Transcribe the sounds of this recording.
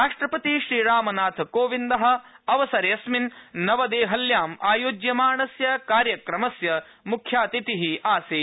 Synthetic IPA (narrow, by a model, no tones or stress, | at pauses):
ɾaːʂʈɾɐpɐt̪iʃɾiːɾaːmɐnaːt̪ʰkoːʋind̪ɐɦɐ̆ɐʋɐsɐɾɐjɐsminːɐʋɐd̪eːɦɐljaːmaːjoːd͡ʒjɐmaːɳɐsjɐkaːɾjɐkɾɐmɐsjɐ | mukʰjaːt̪it̪iɦiaːsiː